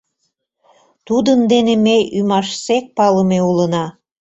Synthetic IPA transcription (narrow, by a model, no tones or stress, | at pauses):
t̪ud̪ənd̪enemejymɑʃsek̚pɑləmeulənɑ